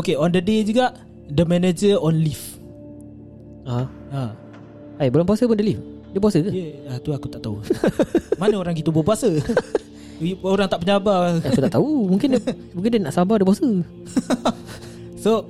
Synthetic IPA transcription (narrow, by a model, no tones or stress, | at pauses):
okeɔndəded͡ʒuɡaʔ | dəmɛned͡ʒəɔnlif | a | a | ajbəlaŋpuasəpʊndəlif | dəpuasəkəjəat̪uakut̪aʔt̪au | manəoɾaŋɡit̪ubupuasə | oɾaŋt̪aʔpəɲabaaut̪aʔʔt̪aumuŋkɪndə | muŋk̬ɪndənaʔsambadəpuasə | so